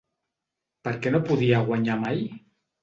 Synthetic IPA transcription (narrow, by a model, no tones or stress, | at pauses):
pəɾkenopuðiaɣwaɲamaj